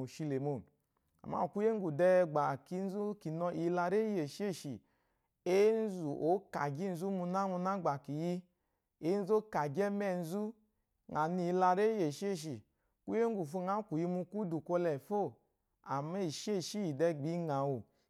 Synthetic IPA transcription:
o˨ʃi˧le˨mo˨n | a̰˨ma̰˦˨ku˦je˦ŋ˦ɡu˨dɛ˧ɡ͡ba˨ki˨˧˦n̩˦zu˦ki˨nɔ˧ʔi˧la˧ɾe˦je˨ʃi˦e˦˨ʃi˨ | e˦n̩˦zu˨ʔo˨˦ka˨ɡi˦n̩˧zu˦mu˧na˦mu˧na˦ɡ͡ba˨ki˨ji˧ | e˨˦n̩˦zo˦ka˨d͡ʒɛ˦mɛ˧˨n̩˦zu˦ | ŋa˨ni˧la˧ɾe˦je˨ʃe˦˨ʃ̬i˨ | ku˦je˦ŋ˦ɡu˨fo˧˦˨ŋa˨˦ku˨ji˧mu˧ku˦du˨ko˧lɛ˨fo˦˨ | a˨me˦˨ʃe˦˨ʃi˦ji˨dɛ˧ɡ͡bi˨˦ŋa˨wu˨

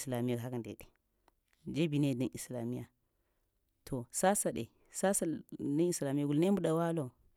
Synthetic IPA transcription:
sla˨mi˦a˨ɦa˦ka˨ndḛ˨ɗe˨ | d͡ʒe˦bi˨ne˦˨da˦nʔi˨sla˨mi˦ja˨ | tʰo˨sa˦sa˨ɗḛ˨ | sa˦sa˨da˦ni˨sla˨mi˦ja˨ɡu˨lne˦mbu˦ɗa˨wa˦lo˨

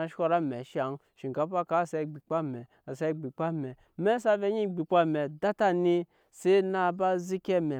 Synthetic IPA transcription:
a˨ʃo˦˧ɾa˦me˨ʃa˨ŋ | ʃi˨ka˨˦pa˦ka˨˦˨se˦˨ɡ͡bi˨k͡pa˦mɛ˨ | a˨se˦˨ɡ͡bi˨k͡pa˦mɛ˨ | me˦sa˦ve˦ɲi˦ɡ͡bi˨k͡pa˦me˨da˦ta˦ni˦ | se˦na˦˨ba˦zi˦ke˦me˨

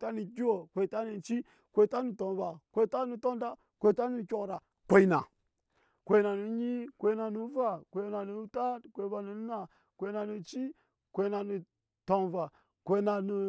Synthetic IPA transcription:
ta˦ni˨ɡʲi˦wo˨kʷe˨i˨ta˦ni˨t͡ʃi˦ | kʷe˨i˦ta˦nu˨to˨nva˨kʷe˨i˦ta˦nu˨to˦n˦da˦ | kʷe˨i˨˦ta˦nu˨kʲo˨kɾa˨ | kʷe˨i˨˦na̰˨ | kʷe˨i˦na˨nu˨˦ɲi˦kʷe˨i˦na˨nu˨˦va˦kʷe˨˦na˨nu˨˦ta˦tkʷe˨˦va˨nu˨˦na˨ | kʷe˨˦na˨nu˨t͡ʃi˦ | kʷe˨i˦na˨nu˨ | to˨nva˨ | kʷe˨˦na˨nu˨

